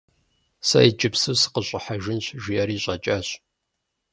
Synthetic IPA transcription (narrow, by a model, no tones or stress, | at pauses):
sɐ̰jid͡ʒʼɪpsɨwsɨ̥qəɕʼɪħaʒɪnt͡ʃʰʒijɐɾiːɕʼɐt͡ʃʼɐɕ